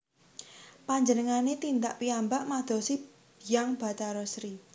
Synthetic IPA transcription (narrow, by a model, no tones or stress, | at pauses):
paɲd͡ʒənəŋanet̪ind̪aʔpiambaʔmad̪̥ɔ̤si | b̥ijaŋb̥a̤t̪aɾɔsɾi